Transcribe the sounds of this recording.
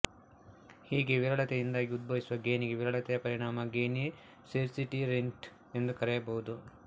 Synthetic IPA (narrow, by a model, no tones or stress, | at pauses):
hiːɡeʋiɾɐɭɐt̪ɛjind̪aːɡiud̪̚bɐʋisuʋɐɡeːniɡeʋiɾɐɭɐt̪ɛjɐpɐɾiɳaːmɐɡeːni | seɾsiʈiɾeɳʈ | e̞nd̪ukɐɾɛjɐbɐɦud̪u